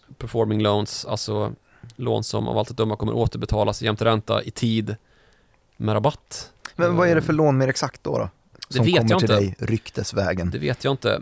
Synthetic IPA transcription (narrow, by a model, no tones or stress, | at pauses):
pʰæɾfɔɾmɪŋloʊnsa̰lsɔ | lo̰ːnsɔ̰ma̰va̰lt̪ət̪d̪ɵmːaɾkʰɔmːə̰ɾʔoːt̪əɾbɛt̪ʰɑːlasjɛmt̪əɾɛnt̪a̰ʔɪt̪ʰiːd̪ | mɛɾabat̪ːmɛnvaæɖɛfœɭoːnmeːɾɛksakt̪̚d̪ɔ̰ɾɔ̰ | d̪ɛɔveːɔtmːjəɑaɪɪəɛjɾʏkt̪ʰəsvɛːɡənd̪ɛveːt̪ʰjaːɪnt̪ə̰